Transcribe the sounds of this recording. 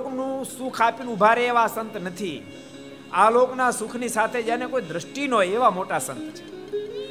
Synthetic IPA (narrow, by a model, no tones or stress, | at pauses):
knũsukʰapinubʱaɾeːʋasənt̪nət̪ʰi | aloknasukʰnisat̪ʰed͡ʒanekoid̪ɾəʃʈinoeʋamoʈasə̰nt̪t͡ʃʰe̥